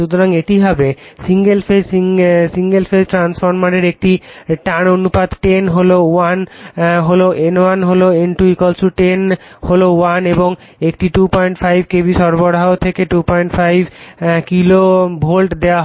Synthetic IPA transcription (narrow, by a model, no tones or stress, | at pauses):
ut̪ʰːoɾaŋeʈiɦabesiŋɡelfeisiŋɡelfesʈɾansfoɾmaɽeɾek̚ʈiʈaɽ̃onupad̪ʈenɦolowanɦoloʔenwanɦoloenʈuikɔlsuʈenholowaneboŋ | ekʈiʈupɔjɳʈfajbʱkebiʃɔɾboɽaot̪ʰekeʈupɔjɳʈfajbʱkilobʱolʈd̪eaɦ